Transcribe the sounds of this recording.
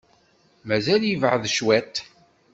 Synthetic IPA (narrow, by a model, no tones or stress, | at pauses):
mæzæljəvʕəðʃwæt̪